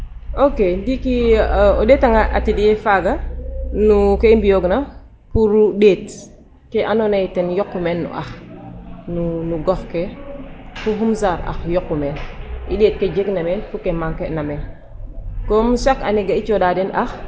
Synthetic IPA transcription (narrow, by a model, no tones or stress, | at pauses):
okedikiodeːtaŋaʔa̰tidijefaɡanukeimbijoɡna | puɾudeːt | keʔanonaitenjɔkːumenːṵʔa̰x | nunuɡɔfke | fuɦumzaɾa̰xjɔkːumenḭɗet̚ked͡ʒeɡnamenfukemaŋkenamen | komusaka̰neɡait͡ʃodadenʔax